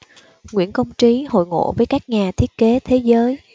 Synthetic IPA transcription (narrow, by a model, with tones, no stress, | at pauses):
ŋwḭ˧˩ənkə˧wŋ͡mt͡ɕi˨˦ho̰˧˨jŋo̰˧˨vəː˨˦jkaː˦˥k̚ɲaː˨˩t̪ʰi˦˥ət̚ke˨˦t̪ʰe˨˦zəː˨˦j